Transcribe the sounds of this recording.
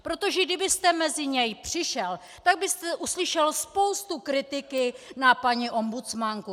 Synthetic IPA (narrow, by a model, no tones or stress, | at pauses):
pɾo̞t̪o̞ʒɛɡdɪbɪst̪ɛmɛzɪɲɛjpr̥ɪʃɛl | t̪aɡ̚bɪst̪ɛʔuslɪʃɛlspo̞wst̪ukɾɪt̪ɪkɪnapaɲiʔo̞mbut͡smaŋku